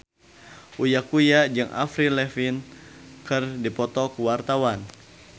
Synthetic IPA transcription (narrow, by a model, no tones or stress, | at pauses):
ʔujakujad͡ʒɨŋʔa̰fɾilɛfinkɨrdipɔt̪ɔkuwart̪awan